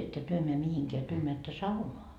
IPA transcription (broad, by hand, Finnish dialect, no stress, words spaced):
etːø tyø meæ mihiŋkeæ tyø meætːø sɑunoɑ